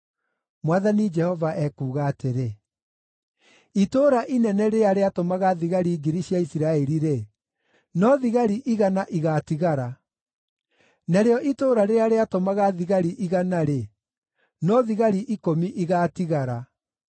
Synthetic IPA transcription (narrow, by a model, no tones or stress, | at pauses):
mwaðanid͡ʒɛhɔvaʔɛkuːɣaːteɾe | itoːɾaʔinɛnɛɾeaɾeatomaɣaðiɣaɾiːɡiɾiɕjaisiɾaɛɾiɾe | nɔðiɣaɾiʔiɣanaʔiɣatiɣaɾa | naɾeɔʔitoːɾaɾeɾaɾeatomaɣaðiɣaɾiʔiɣanaɾe | nɔðiɣaɾiʔikomiʔiɣaːtiɣaɾa